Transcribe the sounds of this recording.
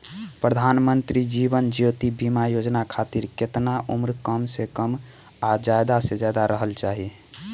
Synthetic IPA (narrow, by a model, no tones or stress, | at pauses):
pɾəd̪ʱanmənt̪ɾid͡ʒibənd͡ʒijot̪ibimajod͡ʒnakʰat̪iɾket̪naʔumɾkəmsekəm | ad͡ʒajd̪asẽd͡ʒad̪aɾəɦəlt͡ʃaɦi